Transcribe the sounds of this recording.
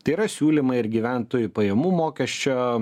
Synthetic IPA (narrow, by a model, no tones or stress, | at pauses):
t̪ɐɪiɾɐsʲuːlʲimɐɪɪɾɡʲiʋʲæˑnt̪oːjʊpɐjɛmuːmoːkʲɛʃʲt͡ʃʲoː